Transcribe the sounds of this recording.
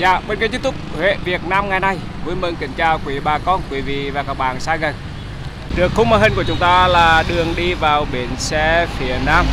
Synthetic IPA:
za̰ː˧˨ɓeː˧nka˧jt͡ɕ̪̚t̪ʊ˦˥p̚hḛ˧˨vi˨˩ət̚naː˧mŋa˨˩jna˧˩j | vu˨˧˦nmə˧nkï˧˩˦ŋ̟t͡ɕaː˧˩wkwi˨˦ɓaː˨˩kɔ˧nkwi˨˦vḭ˧˨vaː˨˩kaː˦˥k̚ɓa̰ː˧˨nsaː˧ɣə˨˩n | ɗɨ˨˩əkxʊ˧˦ŋ͡mmaː˧˩ɦhi˧ŋ̟ku˧˩ət͡ɕʊ˨˦ŋ͡mt̪aː˧laː˨˩ɗɨ˨˩əŋɗi˧vaː˨˩wɓe˨˦nsɛ˧˥fi˨˩˦ənaː˧m

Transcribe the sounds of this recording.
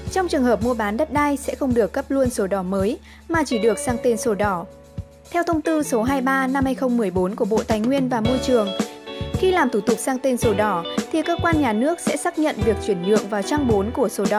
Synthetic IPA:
t͡ɕɔ˧wŋ͡mt͡ɕɨ˨˩əŋɦəː˨˩p̚mu˧əɓaː˨˦nɗə˦˥t̚ɗaː˧jsɛ̰˧˥xə˧wŋ͡mɗɨ˨˩əkːə˦˥p̚lu˧ənso˨˦ɗɔ˧˩məː˨˦j | maː˨˩t͡ɕi˧˩ɗɨ˨˩ək̚saː˧ŋt̪e˧nso˨˦ɗɔ˧˩ | t̪ʰɛ˧wt̪ʰə˧wŋ͡mt̪ɨ˧so˨˦ɦaː˧jɓaː˧na˧mhaː˧jxə˧wŋ͡mmːɨ˨˩əjɓo˨˦nku˧˩əɓo̰˧˨t̪aː˨˩jŋwi˧ənvaː˨˩mo˧jt͡ɕɨ˨˩əŋxi˧laː˨˩mt̪ʰu˧˩t̪ʊ˨˩k̚saː˧ŋt̪e˧nso˨˦ɗɔ˧˩t̪ʰi˨˩kəː˧kwaː˧nɲaː˨˩nɨ˦˥ək̚sɛ̰˧˥saː˦˥k̚ɲə̰˧˨nvi˨˩ək̚t͡ɕwi˧˩ənɗɨ̰˧˨əŋvaː˨˩wt͡ɕa˧ŋɓo˨˦nku˧˩əso˨˦ɗɔ˧˩

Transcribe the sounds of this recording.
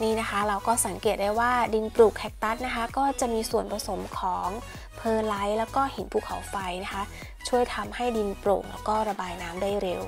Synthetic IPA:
niː˥˩na˦˥kʰa˦˥ɾa˧wkɔː˥˩sa˩˦ŋkeː˨˩t̪̚daː˥˩jwaː˥˩di˧npɾuː˨˩k̚ʰɛ˦˥k̚t̪a˦˥t̪̚na˦˥kʰa˦˥kɔː˥˩t͡ɕa˨˩ʔmiː˧su˨˩ənpʰɾa˧so˩˦mkʰɔː˩˦ŋ | pʰɤː˧la˦˥jlɛː˦˥wkɔː˥˩he˩˦npʰuː˥˩kʰa̰˨˩˦wfa˧jna˦˥kʰa˦˥ | t͡ɕʰu˥˩əjt̪ʰa˧mha˥˩jdi˧npɾo̰ː˨˩ŋlɛː˦˥wkɔː˥˩ɾa˧baː˧jnaː˦˥mdaː˥˩jɾe˧w

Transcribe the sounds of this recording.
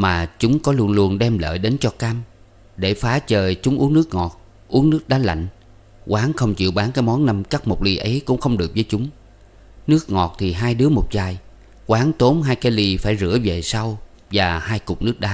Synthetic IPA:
maː˨˩t͡ɕʊ˨˦ŋ͡mkɔ˨˦lu˧ənlu˧ənɗɛ˧mlə̰ː˧˨jɗe˨˦nt͡ɕɔ˧kaː˧m | ɗe˧˩faː˨˦t͡ɕəː˨˩jt͡ɕʊ˨˦ŋ͡mʔu˨˦ənɨ˦˥ək̚ŋɔ˨˩t̚ | ʔu˨˦əŋnɨ˦˥ək̚ɗaː˨˦la̰˧˨jŋ̟ | ɣwaː˨˦ŋxə˧wŋ͡mt͡ɕḭ˧˨əwɓaː˨˦ŋkaː˨˦jmɔ˨˦nna˧mka˦˥p̚mo˨˩k͡p̚li˧ʔə˨˦jkʊ̰˧˥ŋ͡mxə˧wŋ͡mɗɨ˨˩ək̚vəː˨˦jt͡ɕʊ˨˦ŋ͡m | nɨ˦˥ək̚ŋɔ˨˩t̚t̪ʰi˨˩ɦaː˧jɗɨ˨˦əmo˨˩t̚zaː˨˩j | kwaː˨˦ŋt̪o˨˦mɦaː˧jkaː˨˦jli˧faː˧˩jzɨ̰˧˩əve˨˩sa˧w | vaː˨˩haː˧jkʊ˨˩k͡p̚nɨ˦˥ək̚ɗaː˨˦

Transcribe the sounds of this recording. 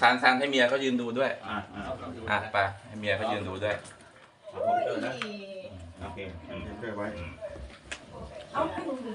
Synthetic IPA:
sʰaː˨˩˦ŋsʰaː˨˦nʰa˥˩jmi˧ɐ˧kɔː˥˩jɯː˧nduː˧du˥˩əja˧˩˧ʔaː˧˩pa˧t̪ʰa˥˩mi˧ɐ˧kɔː˥˩jɯː˧nduː˧du˥˩əjʰ | ɯː˥˩na˦˥˧ | ʔo˧kʰeː˧a˨˧˩a˥˩kʰɯ˥˩wa˦˥j

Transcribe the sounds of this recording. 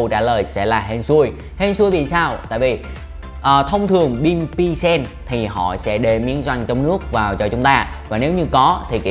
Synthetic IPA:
t͡ɕaː˧˩ləː˨˩jsɛ̰˧˥laː˨˩ɦe˧nsu˧əj | he˧nsu˧jvi˨˩saː˧wt̪a̰ː˧˨jvi˨˩ | ʔəː˨˩t̪ʰə˧wŋ͡mt̪ʰɨ˨˩əŋɓi˧npi˧sɛ˧nt̪ʰi˨˩hɔ̰˧˨sɛ̰˧˥ɗe˧mḭ˨˧˦ənzwa˧jŋ̟t͡ɕɔ˧wŋ͡mnɨ˦˥ək̚vaː˨˩wt͡ɕɔ˧t͡ɕʊ˨˦ŋ͡mt̪aː˧vaː˨˩ne˨˦wɲɨ˧kɔ˨˦t̪ʰi˨˩ki˧˨

